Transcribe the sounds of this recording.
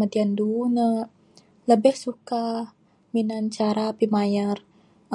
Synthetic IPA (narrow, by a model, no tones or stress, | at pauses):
adiandunə | ləbɪhsuka | minant͡ʃaɾapimajar